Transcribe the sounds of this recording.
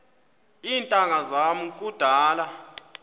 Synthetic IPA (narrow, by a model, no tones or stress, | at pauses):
iːntʼaŋazamukʼud̥ʱaːla